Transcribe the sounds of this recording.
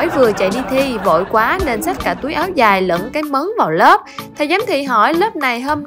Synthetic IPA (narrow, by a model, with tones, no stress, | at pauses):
jvɨ˨˩ət͡ɕa̰˧˨jɗi˧t̪ʰi˧vo̰˧˨jkwaː˨˦ne˧nsa˦˥t̚kaː˧˩t̪u˨˦əjʔaː˨˦wzaː˨˩jlə̰˧˨˥ŋkaː˨˦jmə˨˦nvaː˨˩wləː˦˥p̚t̪ʰɛ˨˧˩jza˨˦mt̪ʰḭ˧˨ɦɔ˧˩jlə˦˥p̚na˨˩jɦəː˧m